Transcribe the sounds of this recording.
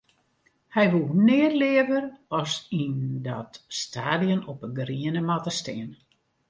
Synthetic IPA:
hɛjʋulˠnɪərlɪəvərɔsindɔtstaːdijənɔpəɡriənəmatəstɪən

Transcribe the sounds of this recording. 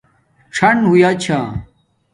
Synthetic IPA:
ʈ͡ʂʰɐɳɦujat͡ɕʰaː

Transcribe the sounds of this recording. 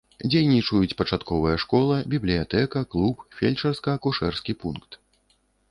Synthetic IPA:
d͡zʲejnʲit͡ʂujut͡sʲpɐt͡ʂat̪kɔvɐjɛʂkɔlˠɐbʲiblʲijat̪ɛkɐklˠupfʲelʲt͡ʂɐrskɐːkuʂɛrskʲipunkt̪

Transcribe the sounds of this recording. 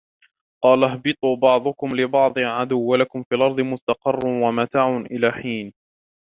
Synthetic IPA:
qɑːlaɦbɨt̪ˤuːbɑʕd̪ˤʊkʊmlɪbɑʕd̪ˤɨʕad̪ʊwːalakʊmfiːʔlʔɑɾˤd̪ˤɨmʊst̪ɑqɑrˤːʊwamat̪aːʕʊnʔɪlaːħiːn

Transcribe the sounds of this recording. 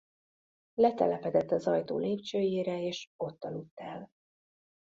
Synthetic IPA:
lɛt̪ɛ̰lɛpɛd̪ɛt̪ːɒzɒjt̪o̰ːleːpt͡ʃøːjeːɾɛeːʃo̞t̪ːɒlut̪ːɛl

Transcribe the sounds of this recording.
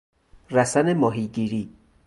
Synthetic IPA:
ræsænemɒːɦiːɟiːɾiː

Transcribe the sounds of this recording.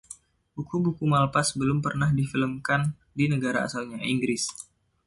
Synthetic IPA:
b̥ukubukumalpasbəlʊmpərnahdifiləmkan | dinəɡaɾaa̰sawɲaʔiŋɡɾɪs

